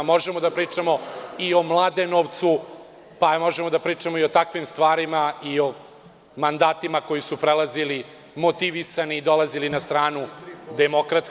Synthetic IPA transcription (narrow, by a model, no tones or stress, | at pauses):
mo̞ʒemod̪apɾiːt͡ʂamo̞io̞mlˠaːd̪enoːʋt̪su | pamo̞ʒemod̪apɾiːt͡ʂamoio̞t̪akʋimst̪ʋaːɾimaio̞ | mand̪aːt̪imako̞jisupɾelˠazili | mo̞t̪iʋisaniːd̪o̞lˠazilinast̪ɾaːnud̪emo̞kɾat̪s